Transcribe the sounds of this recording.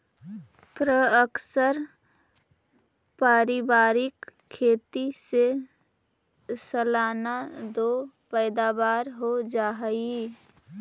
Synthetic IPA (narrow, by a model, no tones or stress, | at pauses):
pɾəəksəɾ | paːɾɪbaːɾɪkʰː | eːt̪ise | səlaːnad̪o | pɛːd̪abaːɾɦod͡ʒaːɦəi